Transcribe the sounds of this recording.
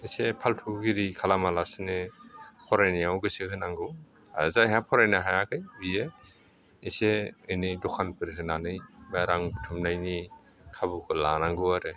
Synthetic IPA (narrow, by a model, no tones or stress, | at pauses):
isepʰaltʰuɡiɾikʰalamalasɯnɯpʰɔɾajnijawɡɯsɯkʰɯnaŋɡɯw | a̰zajɦapʰɔɾajnaɦajakʰɯjbie | iseɯnɯdɔkʰanpɯɾɦɯnanɯjbaɾaŋbutʰumnajni | kʰabukʰɯlanaŋɡɯwaɾɯ